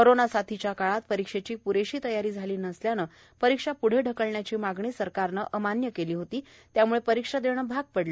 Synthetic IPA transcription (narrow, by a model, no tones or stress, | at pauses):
koɾonasat̪ʰit͡ɕjakaɭat̪pəɾikʂet͡ɕiːpuɾeɕiːt̪əjaɾiːd͡zʱaliːnəsljanə | pəɾikʂapuɽ̤eɖʱəkəɭɳjat͡ɕiːmaɡɳiːsəɾkaɾnəʔəmanjəkeliːɦot̪iː | t̪jamuɭepəɾikʂad̪eɳ̃əbʱaɡ̚pəɽle